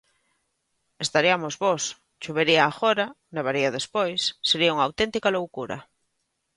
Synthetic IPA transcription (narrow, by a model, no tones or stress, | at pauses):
est̪aɾiamozβos | t͡ʃuβeɾiaːxoɾa | neβ̞aɾiaðespojsːeɾiauŋawt̪ent̪ikalowkuɾa̰